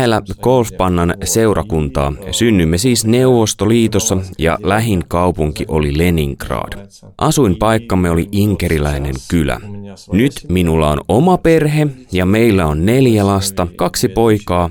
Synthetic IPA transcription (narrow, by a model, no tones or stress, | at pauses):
elːækolfpɑnːɑnse̞uɾʔɑkunt̪ɑ̰ːsynːymːesiːsne̞uʋost̪oliːt̪osːɑjɑ̰læɦiŋkɑwpuŋkiʔo̞lile̞niŋkrɑ̰ːd̥ | ʔɑsuimpɑjkːɑmːeo̞liʔiŋkeɾilæine̞̰ŋkylæ̰nyt̪minulːɑo̰nomɑpe̞rɦejɑme̞ilːæonːe̞ljælɑst̪ɑkɑksipo̞jkɑː